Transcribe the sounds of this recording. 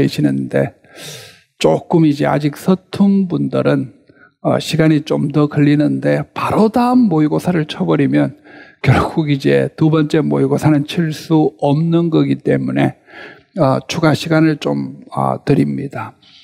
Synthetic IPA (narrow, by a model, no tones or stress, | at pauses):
eɕʰinɯnde̞ | t͡ɕ͈ok͈ɯmid͡ʑe̞a̰d͡ʑik̚sʰʌtʰunbundɯɾɯn | ʌ̰ɕʰiɡaɲit͡ɕomdʌkɯʎːinɯnde̞paɾodaɯmːoiɡosʰaɾɯɭt͡ɕʰʌbʌɾimjʌnkjʌɭɡuɡid͡ʑe̞tubʌnt͡ɕ͈e̞moiɡosʰanɯnt͡ɕʰiɭs͈uʌmnɯnɡʌɡit͈e̞mune̞ | ʌt͡ɕʰuɡaɕʰiɡanɯɭt͡ɕo̰mʌ̰tɯɾimɲida